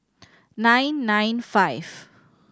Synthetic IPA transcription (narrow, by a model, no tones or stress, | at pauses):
nãjnːãjnfajv